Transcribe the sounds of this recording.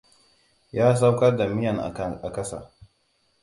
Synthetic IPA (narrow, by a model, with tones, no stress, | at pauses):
jaː˦s̬a˦wkɐ˦rda˨mɪ˦jɐ˨ŋa̰˨ʔa˨kɐ˦sa̰ː˨